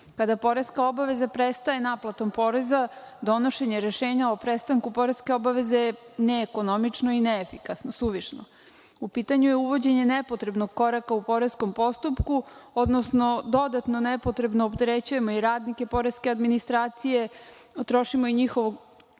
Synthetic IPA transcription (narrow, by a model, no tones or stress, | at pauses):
kad̪apo̞ɾe̞skao̞baʋe̞zapɾest̪ae̞naplˠat̪o̞mpo̞ːɾe̞zad̪o̞no̞ʃe̞ɲe̞ɾe̞ʃeːɲaopɾest̪aŋkupo̞ɾeske̞o̞baʋe̞zeneːko̞nomit͡ʃnoineːfikasnosuʋiʃno̰ | upit̪aɲujeuʋo̞d͡ʑe̞ɲe̞nepot̪ɾe̞bno̞ɡ̚ko̞ɾakaupo̞ɾe̞sko̞mpo̞st̪upkuo̞d̪nosno̞d̪o̞d̪at̪nonepot̪ɾe̞bnoːpt̪eɾet͡ɕuje̞mo̞iɾaːd̪nike̞po̞ɾe̞skead̪minist̪ɾaːt̪sije̞ | t̪ɾo̞ʃimoiɲixo̞ʋoɡ